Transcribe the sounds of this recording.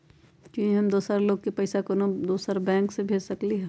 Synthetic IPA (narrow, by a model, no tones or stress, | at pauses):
kjũɦĩɦɐmd̪oːsaɾloːɡ̚kepəɪsakənod̪oːsaːɾbɛ̃ːŋksebʱeːd͡ʒsəkliɦ